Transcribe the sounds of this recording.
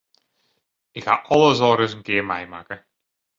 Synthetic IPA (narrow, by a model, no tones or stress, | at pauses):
ɪkxa̰ːʔɑlˠəzɔːɾəzənkɪːɹmɛjma̰ːkə